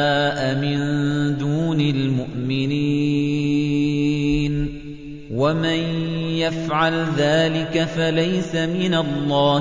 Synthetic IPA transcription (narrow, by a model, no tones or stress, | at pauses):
ʔamɪnd̪uːnalmʊʔmɪniː | n | wamanjafʕalðaːlɪkafalajsamɪnalˤːɑː